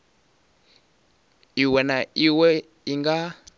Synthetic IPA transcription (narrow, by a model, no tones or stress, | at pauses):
iwɛnaiwɛ | iŋɡa